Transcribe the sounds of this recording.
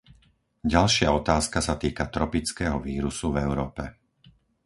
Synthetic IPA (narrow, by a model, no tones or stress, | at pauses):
ɟalʃɪaɔt̪aːskasat̪iːkat̪ɾɔpit͡skɛːɦɔʋiːɾusuvɛʊɾɔːpɛ